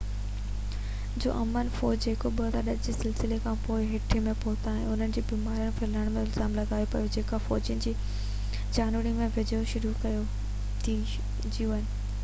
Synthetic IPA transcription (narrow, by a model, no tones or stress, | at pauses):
d͡ʑo̰ːʔɐmənfɔːd͡ʑd͡ʑeːkoɓɐd̪aɗɐɗd͡ʑeːsɪlsɪlekʰãpoːɪɦɪʈʰimẽpoːt̪ʰaːɦɪ̃nʊn̤ənɪ̆d͡ʑiːbiːmaːɾijəɽ̃pʰɪləɽ̃mẽɪlzaːmlɐɡaːjopɐjod͡ʑeːkafɔːd͡ʑənɪ̆d͡ʑiː | d͡ʑaːnʋəɾimẽʋɪd͡ʑəjoʃʊɾukɐjo | t̪ʰi | d͡ʑijũɪnɪ̆